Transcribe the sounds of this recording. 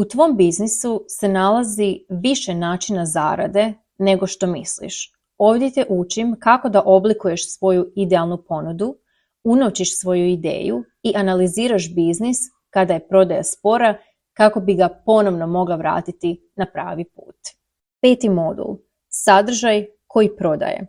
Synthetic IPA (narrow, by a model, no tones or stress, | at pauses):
ut̪ʋo̞mbiznisuse̞nalˠaziʋiʃenaːt͡ʃinaza̰ːɾa̰d̪e̞ | ne̞ɡo̞ʃt̪o̞mislḭʃ | o̞ːʋd̪je̞t̪eʔut͡ʃimkako̞d̪aʔo̞blikuje̞ʃsʋo̞juid̪ealˠnupo̞nud̪u | unoʋt͡ɕiʃsʋo̞juid̪ḛːju | iʔanaliziːɾaʃbiznis | kad̪aje̞pɾo̞d̪aja̰spo̞ɾa | kako̞biɡapo̞no̞ʋno̞mo̞ɡlˠaʋɾa̰ːt̪it̪i | napɾa̰ːʋip̚ṵːt̪ | pe̞ːt̪imo̞d̪ṵlˠ | sad̪r̩ʒaj | ko̞jipɾo̞d̪a̰jḛ